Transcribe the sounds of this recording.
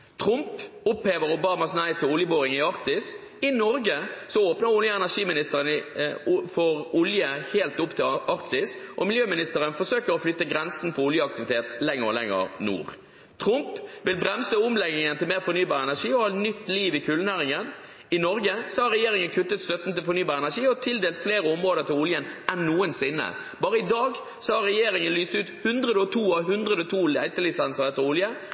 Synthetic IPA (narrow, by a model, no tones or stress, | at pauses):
t̪ʰɾʊmpʊpheːʋəɾʊbɑːməsnæɪt̪ʰːɪlʊljəboːʁɪŋɪɑɾk̚t̪ɪs | ɪnɔɾɡəsɔoːpnəɾʊljəɛnæʂiːmɪnɪst̪əʁənɪ | fɔʁʊljəheːlt̪ʊpt̪ʰɪlɑɾkt̪ɪsʔɔmɪljøːmɪnɪst̪əɾənfɔsøːkəɾɔflʏt̪ːəɡɾɛnsn̩fʰɔʊljəɑk̚t̪ɪʋɪt̪ʰeːt̪lɛŋːəʁɔ̰lɛ̰ŋːə̰ʁnṵːʁ | t̪ʰɾʊmpʋɪlbɾɛmsəʊmlɛɡɪŋənt̪ʰɪlmeːʁfɔɾnyːbɑːʁəɛnæʂiːɔhɑt̪nʏt̪ːliːʋɪkʰʉlnæːʁɪŋən | ɪnɔɾɡəsɔhɑɾːɛjeːɾɪŋənkʰʉt̪ːət̪st̪œt̪n̩t̪ɪlfɔʁnyːbɑːɾɛnæʂiːɔt̪ʰɪld̪eːlt̪fleːɾəʊmʁoːd̪əʁt̪ʰɪlʊljənʔɛnːuːənsɪnːə̰ | b̥ɑːɾəɪd̪ɑːɡ | sɔhɑɾɛjeːɾɪŋənlyːst̪ʉːt̪hʉnd̪ʁəd̪əɔt̪ʰuːɑɦʉnd̪ʁəd̪əɔt̪ʰuːlæ̰ɪt̪əlɪsɛnsəʁɛt̪ːəɾʊljə